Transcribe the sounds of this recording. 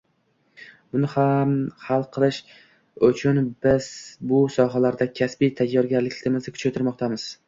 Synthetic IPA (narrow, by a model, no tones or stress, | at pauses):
bʊnɪhamhalˠqʰɨlˠɪʃ | ʊt͡ʃʰʊnbɪz̥bʊsɒɦalaɾd̪akʲʰasbijt̪ʰajːɒɾɡʲaɾlɪkʲlɪmɪzɪkʰʊt͡ʃʰat̪ʰɪɾmɒqt̪ʰamɪz̥